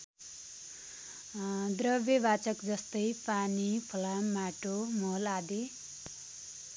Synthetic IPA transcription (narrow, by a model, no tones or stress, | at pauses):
d̪rʌbjebat͡sʌkd͡zʌst̪ʌjpanipʰʌlamaʈomʌlad̪i